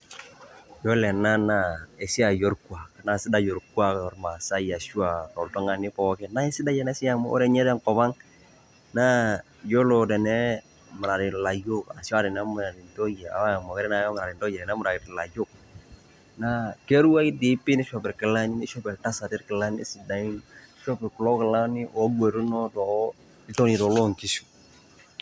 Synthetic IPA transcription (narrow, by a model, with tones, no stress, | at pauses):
jɔ˦lɛ˨na˦na˨ɛ˨si˦a˨jo˦ɾkwa˨kna˨˦˨sɪ˦da˦jo˨ɾkwa˦kɔ˨ɾma˨sa˦ja˨ʃu˦a˨kɔ˨ltɔ˦ŋa˨nɪ˦pɔ˦kɛ˦na˦ɛ˦si˦da˦jɛ˨nɛ˦si˦a˦m˦ɔ̰˦ɾɛ˦ɲɛ˦dɛ˦ŋkɔ˨ba˦ŋ | na˦ | jo˦lo˨dɛ˨nɛ˦ | mə˨ɾa˨ɾɪ˨la˨jo˦ka̰˨si˦a˦ɾɪ˨na˦m˨ɾa˨di˨nto˦je˨a̰˨wa˦˨mɔ˨kɛ˦ɾɛ˦na˨jɔ˦m˨ɾa˨ɪ˨ndɔ˦jɛ˨ɾɛ˨na˦mu˨ɾa˨kɪ˨dɪ˨la̰˨jo˦k̚ | na˦ke˦ɾu˦a˦kɪ˦di˦pi˦nɛ˦ʃɔ˨pɛ˨ɾkɪ˨la˦ni˦nɛ˦ʃɔ˦pɛ˨ɾta˦sa˨tɪ˦ɾkɪ˨la˦nḭ˦si˨da˨i˦n˦ʃɔ˦pɛ˨ɾku˨lɔ˦kɪ˨la˦nɪ˦ʔɔ˨˦ɡue˨ɾu˦nɔ˦tɔ˨ | ɪ˦tɔ˦ni˨tɔ˨lɔ˦ŋki˨˦su̥˨